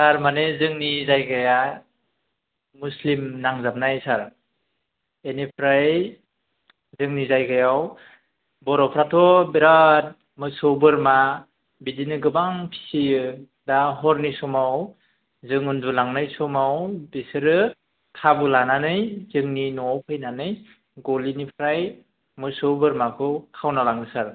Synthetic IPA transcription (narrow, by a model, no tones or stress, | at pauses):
saɾmanezɯŋnizajɡaja | muslimnaŋzap̚najsaɾ | enipʰɾaj | zɯŋnizajɡajaw | bɔɾɔpʰɾatʰɔbiɾat̚ | mɯsobɯɾma | bidinɯɡɯbaŋpʰi̥sijɯ | daɦɔɾnisɔmaw | zɯŋundulaŋnɯjsɔmawbisɯɾɯ | tʰabɯlananɯjzɯŋninɔwpʰɯjnanɯj | ɡɔlinipʰɾaj | mɯsɯwbɯɾmakʰɯkʰawnalaŋɯsaɾ